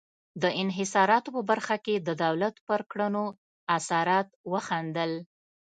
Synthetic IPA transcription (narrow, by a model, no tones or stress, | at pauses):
d̪əɪnɦɪsɑɾɑt̪opəbaɾxaked̪əd̪awlat̪pəɾkɽəno | asɑɾɑt̪wəxand̪əl